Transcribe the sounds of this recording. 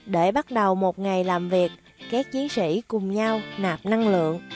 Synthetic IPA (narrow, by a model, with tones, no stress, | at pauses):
ɗe˧˩ɓa˦˥t̚ɗə˨˩wmo˨˩t̚ŋa˨˩jlaː˨˩mvi˨˩ək̚ː | aː˦˥k̚t͡ɕi˨˦ənsḭ˧˥kʊ˨˩ŋ͡mɲa˧wnaː˨˩p̚na˧ŋlɨ̰˧˨əŋ